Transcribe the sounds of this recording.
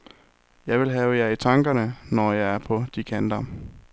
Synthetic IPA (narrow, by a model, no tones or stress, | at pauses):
jɑ̈ɪʋe̝lɦɛːʊəjæit͡sʰɑ̈ŋɡ̥ɐnənɒjɑ̈ɪæɐpʰɒ̽d̥ikʰænd̥ɐ